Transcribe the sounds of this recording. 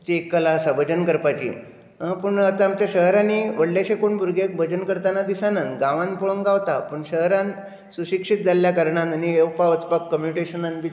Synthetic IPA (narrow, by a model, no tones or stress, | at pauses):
t͡ɕiekːəlasabʱəd͡ʑənkəɾpat͡ɕḭ | əpuɳət̪aamt͡ɕjaɕəɦɾaniʋəɽljaɕẽkoɳbʱuɾɡʱek̚bʱəd͡ʑənkəɾt̪anad̪isanənɡãʋãnpoɭəŋɡaʋt̪apəɳɕəɦɾãn | suɕikʂit̪̚d͡zaljakəɾɳãnanieʋpaʋət͡spakːəmjuniʈeɕənanbi